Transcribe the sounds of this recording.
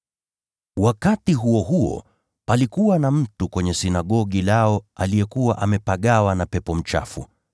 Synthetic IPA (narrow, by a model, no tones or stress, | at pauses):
wakatiɦuɔɦuɔ̰ | palikuwanam̩tukwɛɲɛsinaɠɔɠilaɔalijɛkuwaʔamɛpaɠawanapɛpɔm̩t͡ʃa̰fṵ